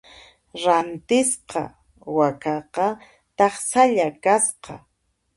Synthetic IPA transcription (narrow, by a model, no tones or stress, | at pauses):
ɾant̪ɪsqɑ̰ | wakɑqɑ | t̪ɑχsaʎakasqɑ̰